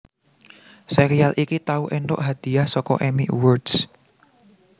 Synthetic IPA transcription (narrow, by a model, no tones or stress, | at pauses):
seɾialʔikit̪auʔend̪ɔ̰ʔɦad̪̥i̤ahsɔkɔ̰ʔemiʔwərd̥s